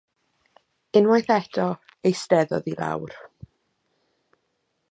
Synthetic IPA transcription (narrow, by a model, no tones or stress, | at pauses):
ɪnwajθɛtʰɔ | ejstɛðɔ̰ðila̰wr